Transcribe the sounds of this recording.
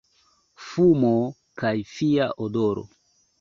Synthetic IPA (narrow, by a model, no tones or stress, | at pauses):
fumo | kajfiaʔodoɾo̰